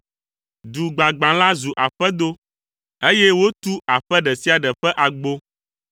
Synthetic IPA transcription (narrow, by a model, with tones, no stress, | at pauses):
d̪u˨ɡ͡ba˨ɡ͡bã˨la˦zu˨ʔa˨ɸɛ˦d̪o˦ | e˦jɛ˦wo˦t̪u˦a˨ɸɛ˦ɖɛ˨si˦a˨ɖɛ˨ɸɛ˦ʔa˨ɡ͡bo˦